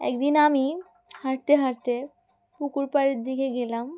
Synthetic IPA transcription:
ɛ̰kd̪inami | haɾt̪eɦaɾt̪e | pukuɾpaɾeɾd̪ikeɡelam

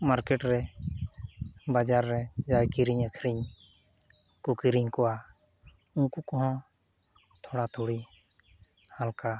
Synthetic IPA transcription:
maɾkɛʈɾɛ | bad͡ʒaɾːɛd͡ʒajkiɾiɲəkʰɾiɲ | kɔkiɾiɲkɔwa | unkukɔɦɔ̃ | t̪ʰɔɽat̪ʰoɽi | halka

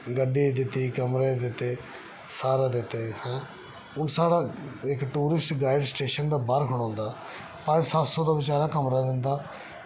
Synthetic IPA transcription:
ɡəɖːiːd̪ɪt̪ːiːkəmɾeːd̪ɪt̪ːeː | saːɾaːd̪ɪt̪ːeːhɛ̃ː | ʊnsaːɽaːɪkʈuːɾɪsʈɡaːɪɖsʈeːʃənd̪aːbaɾkʰʊɽãːnd̪aː | pə̃d͡ʒsət̪sõːd̪aːʋɪt͡ʃaːɾaːkəmɾaːd̪ɪnd̪aː

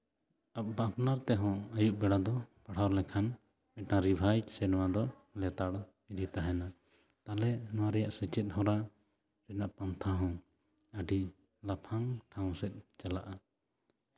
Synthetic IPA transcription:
ap̚bapnaɾt̪ɛɦɔ̃ajuʔbɛɽad̪ɔpaɽ̤awɾlɛkʰan | mɛʈnaɾibʱajsɛnɔwad̪ɔ | lɛt̪aɽ | id̪it̪aɦɛna | t̪alɛnɔ̃waɾɛjaʔsɛt͡ʃɛt̪̚ˀhɔ̃ɾa | ɾɛnaʔpant̪ʰaɦɔ̃ | əɖi | lapʰaŋʈʰaw̃sɛt̪̚ˀt͡ʃalaʔa

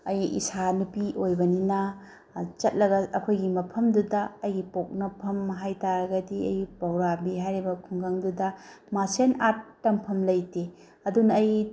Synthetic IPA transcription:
ɐjḭsanupiʔojbɐninɐ | t͡ʃɐt̚lɐɡɐɐkʰojɡimɐpʰɐmdudɐɐjɡipok̚nɐpʰɐmːɐɦajtaɾɐɡɐdiɐ̰jɡipɐwɾabiɦajɾibɐkʰuŋɡaŋdudɐ | masenatːɐmpʰɐmlɐjte | ɐdunɐːj

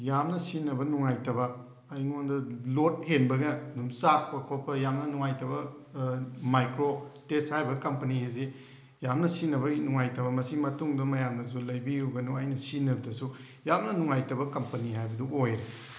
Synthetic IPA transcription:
jamnɐsinɐbɐnuŋajtɐbɐː | jŋondɐlot̚henbɐɡɐnumsak̚pɐkʰopʰːɐjamnɐnuŋajtɐbɐ | majkɾotesthajbɐkɐmpɐniheze | jamnɐsinɐβɐnuŋajtɐβɐmɐsimɐtuŋdɐmɐjamnɐsulɐjbiɾuɡɐnuɐjnɐsinɐbɐdɐsu | jamnɐnuŋajtɐbɐkɐmpɐniɦajbɐduojɾe

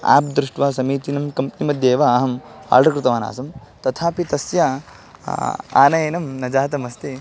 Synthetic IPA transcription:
a̰ːp̚d̪ɾuʂʈʋaːsɐmiːt̪inɐmkɐmpnimɐd̪ʱjeːʋɐːɦɐma̰ːɾʈɐkɾɪt̪ɐʋaːna̰ːsɐm | t̪ɐt̪ʰaːpit̪ɐsjɐ | a̰ːnɐjenɐmnɐd͡ʒaːt̪ɐmɐst̪i

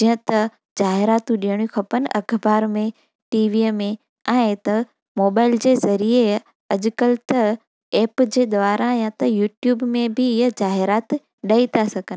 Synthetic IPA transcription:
d͡ʑiɦə̃t̪ɐ | d͡ʑaːɦɪɾaːt̪ũɗiəɽ̃jũkʰɐpənʔɐkʰbaːɾmẽ | ʈiːʋimẽ | ɛ̃ːt̪ɐ | moːbaːɪld͡ʑeːzɐɾie | ɐʄkəlt̪ɐ | eːpd͡ʑeːd̪ʋaːɾajãt̪ɐjuːʈjuːbmẽbʱɪɪɦəd͡ʑaːɦɪɾaːt̪ | ɗɐit̪ʰasɐɡənɪ

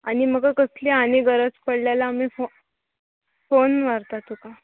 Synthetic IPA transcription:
añiməɡakəsleaneɡəɾət͡spəɽljalaːmifo | fonʋaɾt̪at̪uka

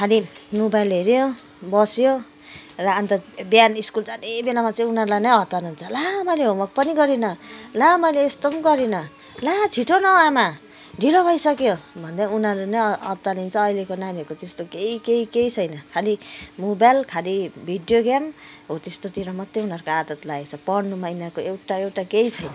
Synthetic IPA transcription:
kʰalimobajlɦeɾjo | bʌsjo | rʌant̪ʌbjaniskult͡sanebelamat͡sʌĩunʌɾulajnʌjɦʌt̪anuɦunt͡sʰʌlamaleɦomʌk̚pʌniɡʌɾinʌlamʌleːst̪omɡʌɾinʌ | lat͡sʰiʈonʌama | ɖʱilobʱʌjsʌkjobʱʌnd̪aunɦʌɾunʌʌ̰t̪ːanint͡sʰʌːilekonanikot̪est̪okeikeikeit͡sʰʌjnʌkʰalimobajlkʰalibʱiɖjoɡam | ɦot̪est̪ot̪iɾʌmʌt̪ːeunʌɾkoad̪ʌt̪laet͡sʰʌpʌɽnumajnakoewʈaewʈakeit͡sʰʌjnʌ

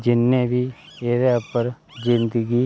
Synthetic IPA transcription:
d͡ʒɪnːẽːbʱiːeɾɛpəɾ | zɪnd̪əɡiː

